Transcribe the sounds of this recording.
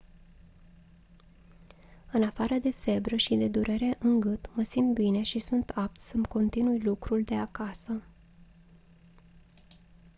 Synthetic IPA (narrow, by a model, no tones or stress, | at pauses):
ɨnafaɾəd̪e̞fe̞bɾəʃid̪e̞d̪uɾʔe̞ɾe̞ʔɨŋɡɨt̪məsimpbine̞ʃisunt̪ʰap̚t̪səmko̞nt̪inujlukɾuld̪e̞akasə